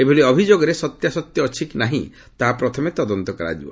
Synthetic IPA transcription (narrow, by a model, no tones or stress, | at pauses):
ebʱiliɔbʱid͡ʒoɡɔɾesɔt̪jasɔt̪jɔːt͡ʃʰiknaɦḭ̃ | t̪aɦapɾɔt̪ʰɔmet̪ɔd̪ɔnt̪ɔkɔɾa̰d͡ʒibɔ̰